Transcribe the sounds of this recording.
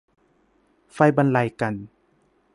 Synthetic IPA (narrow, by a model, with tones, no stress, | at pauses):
fa˧˩jba˧nla˧˩jka˨˩n